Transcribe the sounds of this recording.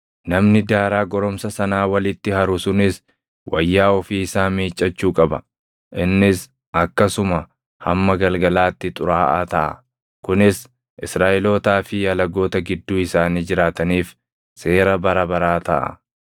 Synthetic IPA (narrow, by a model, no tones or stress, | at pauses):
nɐmnɪd̪aːɾaːɡɔɾɔmsɐsɐnaːwɐlɪt̪ːɪhɐɾʊsʊnɪs | wʔɐjːaːɔfiːɪsaːmiːt͡ʃʼːɐt͡ʃːuːkʼɐbɐ̰ | ʔɪnːɪs | ɐkːɐsʊmɐ | hɐ̰mːɐɡɐlɡɐlaːt̪ːɪt̪ʼʊɾaːʔaːt̪ɐʔɐ̰ | kʊnɪs | ʔɪsɾaːʔɛloːt̪aːfɪjɐlɐɡo̞ːt̪ɐɡɪd̪ːuːɪsaːniːd͡ʒɪɾaːt̪ɐniːf | se̞ːɾɐbɐɾɐbɐɾaːt̪ɐ̰ʔɐ̰